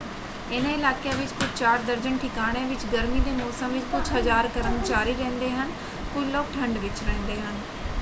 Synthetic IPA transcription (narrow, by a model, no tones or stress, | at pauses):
ɪnãɪlaːkjaʋɪt͡ʃkʊt͡ʃt͡ʃaːɾd̪əɾd͡ʒəɳʈʰɪkaːɽ̃ẽːʋɪt͡ʃɡəɾmiːd̪eːmɔːsəmʋɪt͡ʃkʊt͡ʃʰɦəzaːɾkəɾəmt͡ʃaːɾiːɾɛ̃ːnd̪eːɦən | kʊlɔːk̚ʈʰə̃ɳɖʋɪt͡ʃɾɛ̃ːnd̪eːɦən